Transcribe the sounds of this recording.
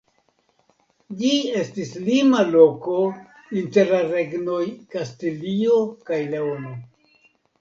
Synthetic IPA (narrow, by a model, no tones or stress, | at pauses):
d͡ʒie̞stislimalo̞ko̞ | inte̞ɾlaɾe̞ɡno̞jkastiliokajle̞ono̞